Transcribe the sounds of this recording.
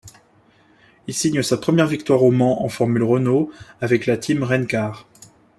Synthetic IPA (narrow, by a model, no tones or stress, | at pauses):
ilsiɲəsapχəmjɛʁvik̚t̪waʁomɑ̃ʔɑ̃fɔʁmylʁɔnoavɛklat̪ʰimʁɛnkaːʁ